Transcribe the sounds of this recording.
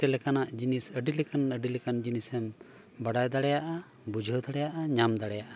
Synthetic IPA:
ɛlɛkanaʔd͡ʒinisəɖilɛkanəɖilɛkand͡ʒinisɛm | baɽajd̪aɽɛjaʔa | bud͡ʒʱəwd̪aɽɛjaʔaɲamd̪aɽɛjaʔa

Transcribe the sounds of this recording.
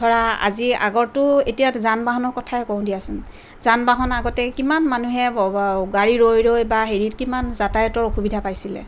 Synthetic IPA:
tʰɔɹaa̰zia̰ɡɔɹtʊetijatzanbaɦɔnɔɹkɔtʰaɛkɔ̃w̃dijasʊn | zanbaɦɔnaɡɔtɛkimanmanuɦɛɡaɹiɹojɹojbaɦeɹitkimanzatajɔtɔɹoxubidʱapajsilɛ̰

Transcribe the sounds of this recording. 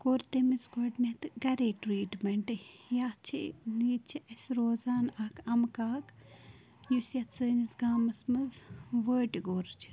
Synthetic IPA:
koːɾt̪emisɡoʈnɐt̪ɨɡɐɾeːʈɾiːʈmɐɳʈɨjaːt͡ʃʰiniːt͡ʃʰiʔɐsʲɾoːzaːnɐkʰɐmkaːk | jusjɐt̪səːnizɡaːmɐsmɐzʋəːʈiɡoɾt͡ʃʰi̥

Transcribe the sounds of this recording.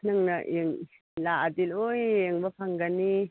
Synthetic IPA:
naŋnɐʔeŋ | laʔadilojeŋbɐpʰaŋɡani

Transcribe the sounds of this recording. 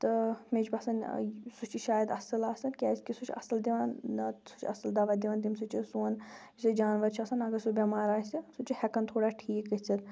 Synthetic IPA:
t̪ɨmed͡ʒbɐsɐnsut͡ʃʰiʃaːjəd̪ɐsɐlaːsɐnkʲaːskʲisut͡ʃʰɐ̰sɐld̪iʋaːnɐsut͡ʃʰiɐ̰sɐld̪aːʋaːd̪iʋãːnd̪imsut͡ʃʰisuːn | sid͡ʒaːnʋɐɾt͡ʃʰiɐsɐnɐɡɐɾsubʲɐmaːɾaːsisut͡ʃihɛkɐnt̪ʰoːɽaːʈʰiːkɐt͡sʰɐd̪

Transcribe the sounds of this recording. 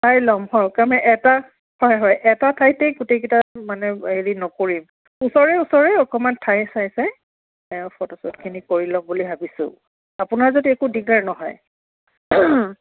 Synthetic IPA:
tajlɔmhɔjkamɛʔɛta | hɔjɦɔjʔɛtatʰajtɛjɡutejkitamanɛɦeɹinɔkoɹim | usɔɹɛusɔɹɛɔkɔmantʰajsajsɛ | ɛɔ̃fʰɔtɔsɔtkʰinikoɹilɔmbulibʱabisʊ̰̃ | apʊnaɹzodiekudiɡaɹnɔɦɔ̰j

